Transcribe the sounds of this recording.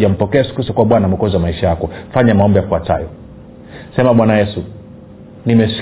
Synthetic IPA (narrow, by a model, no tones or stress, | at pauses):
am̩pɔkɛsu̥kusɔkuwaɓwanamɛkɔziwamaiʃajakɔfaɲamaɔmbɛjafuata̰jɔ̰ | sɛmaɓwanajɛsu | nimɛsi̥